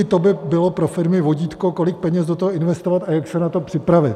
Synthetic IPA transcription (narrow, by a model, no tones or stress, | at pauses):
ɪt̪obɪbɪlopɾofɪɾmɪvo̞ɟiːt̪koko̞lɪk̚pɛɲɛzdot̪oɦoɪnvɛst̪ovat̪ajaksɛnat̪o̞pr̝̥ɪpɾavɪt̪